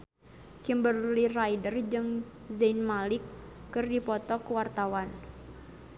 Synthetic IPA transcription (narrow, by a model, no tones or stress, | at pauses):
kimbərlirajdərd͡ʒɨŋ | zainmalɪkːɨrdipɔt̪ɔkwart̪awan